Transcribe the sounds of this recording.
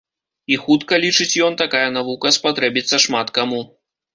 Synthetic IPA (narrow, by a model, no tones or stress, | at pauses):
ixut̪kɐlʲit͡ʂɨt͡sʲjɔnt̪akajɐnavukɐspat̪ɾɛbʲit̪sːɐʂmat̪kamu